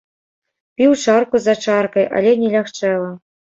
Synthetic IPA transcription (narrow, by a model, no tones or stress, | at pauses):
pʲiwt͡ʂarkuzat͡ʂɑrkɐjʔa̰lʲɛnʲɛlʲaxt͡ʂɛlˠɐ